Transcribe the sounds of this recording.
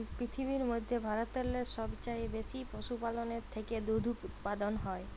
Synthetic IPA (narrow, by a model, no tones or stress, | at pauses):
pɾit̪ʰiβiɾmod̪ʱːebʱaɾot̪ːɔlːeɾʃɔbt͡ɕajbeʃipoʃupaloneɾt̪ʰeked̪od̪ʱuut̪pad̪onɦɔe